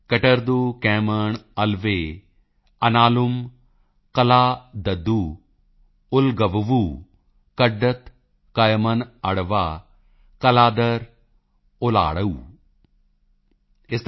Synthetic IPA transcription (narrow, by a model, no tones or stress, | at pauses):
kɐʈəɾd̪uːkɛ̃ːməɳɐlʋeː | ɐnaːlum | kɐlaːd̪ɐd̪uː | ʊlɡɐʋʋu | kɐɖɐt̪ | kɐjmɐnɐɽʋaː | kɐlaːd̪ɐɾ | ʊla̰ːɽɐuː | ɪst̪